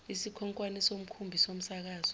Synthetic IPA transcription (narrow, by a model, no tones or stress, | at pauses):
isikʰɔŋkʼwanisom̩kʰumbʱisom̩sak̬aːz̥ɔ